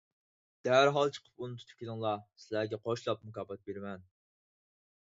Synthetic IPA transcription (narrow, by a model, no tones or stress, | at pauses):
d̪̥æɦæɾɦɑlˠt͡ʃʰə̥qʰə̥punɨt̪ʰut̪ʰu̥p̚kʲelɪŋlˠɑsɪlæɾɡʲɛqʰoʃlˠɑp̚mukɑːbɑt̪̚beɾmɛn